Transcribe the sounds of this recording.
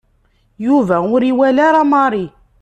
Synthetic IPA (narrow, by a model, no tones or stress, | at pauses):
juvæʊɾiwælaɾamɑɾˤi